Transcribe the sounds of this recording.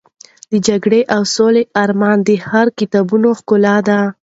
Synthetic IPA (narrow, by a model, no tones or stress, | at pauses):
d̪əd͡ʒaɡɽeʔawsoleʔɑɾmɑnd̪əhaɾkɪt̪ɑbunoxkʊlɑd̪a